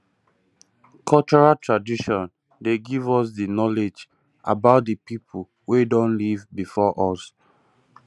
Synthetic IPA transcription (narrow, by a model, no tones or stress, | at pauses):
kʰɔlt͡ʃɔɹatʰɹadiʃɔ̃n | deɡivɔs̬dinɔled͡ʒ | a̰baʊt̚dəpipʰu | wedɔ̃nlivbifɔʔɔs